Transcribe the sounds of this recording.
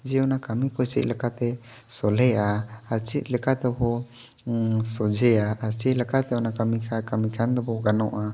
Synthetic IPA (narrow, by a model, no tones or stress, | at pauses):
d͡ʒɛɔnakamipɔjsḭʔ̚lɛkat̪ɛ | sɔlɛʔaat͡ʃit̪̚ˀlɛkat̪ɛbɔ | sɔd͡ʒɛaaɾt͡ʃit̪̚lɛkat̪ɛɔnakamikʰakamikʰand̪ɔbɔɡanɔʔa